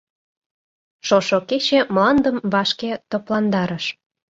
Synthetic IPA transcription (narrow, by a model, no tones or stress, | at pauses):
ʃoʃoket͡ɕemlɑnd̪əmβɑʃket̪oplɑnd̪ɑɾəʃ